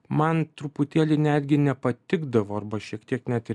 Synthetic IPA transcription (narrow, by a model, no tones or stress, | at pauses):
mɐnt̪ɾupʊt̪ʲeːlʲɪnʲæːd̪ʲɡʲɪnʲɛpɐt̪ʲɪɡd̪ɐʋoːɐɾbɐʃʲiɛkt̪ʲiɛknʲæt̪ɪ